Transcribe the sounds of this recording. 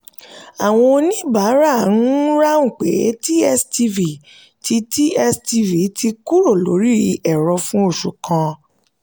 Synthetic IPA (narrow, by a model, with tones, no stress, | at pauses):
a˨w̃ɔ̃˧nĩ˦ba˨˦ɾa˦˨n̩˦ɾa˦ŋ̩˦˨k͡pe˨˦ti˦ɛ˦sti˧vi˨ | ti˧ti˦ɛ˦sti˧vi˨ti˧ku˦ɾo˦˨lo˨˦ɾi˦˧ɛ˨ɾɔ˧fũ˦o˦˨ʃu˨kã˧